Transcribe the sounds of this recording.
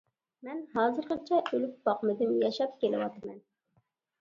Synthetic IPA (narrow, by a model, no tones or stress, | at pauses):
mɛnɦɑːzɨɾqət͡ʃʰɛʔølyk̚ʲbɑqmɨd̪ɪmjɑʃɑp̚kʲelɪwɑt̪ɨmɛn